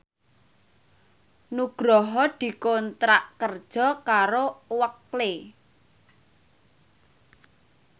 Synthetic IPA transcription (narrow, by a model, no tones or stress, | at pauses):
nuɡ̥ɾɔɦɔd̪̥i̤kont̪ɾaʔkərd̥ʒ̥ɔ̤kaɾowəkle